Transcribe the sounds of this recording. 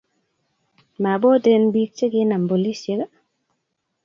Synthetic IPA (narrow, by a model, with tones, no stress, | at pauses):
ma˨bɔ˦de˨nbi˦k̚t͡ʃe˦ɡe˦na˨mbo˨li˦se˨˦ɡa˦